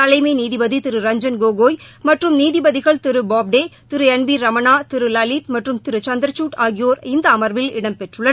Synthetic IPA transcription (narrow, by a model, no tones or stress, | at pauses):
ɐlɐɪmɐɪniːðɪbɐðit̪ɪɾɯɾɐɲd͡ʒɐnɡoːɡoːjmɐʈrɯmniːðɪbɐðɪɣɐɭt̪ɪɾɯbaːb̚ɖeːt̪ɪɾɯɛnbiːɾɐmɐnaːt̪ɪɾɯlɐliːt̪mɐʈrɯmt̪ɪɾɯt͡ʃɐnd̪ɾɐt͡ʃuːʈaːɣɪjoːɾɪnd̪ɐːmɐɾʋɪlɪ̰ɽɐmpɛʈrɯɭːɐ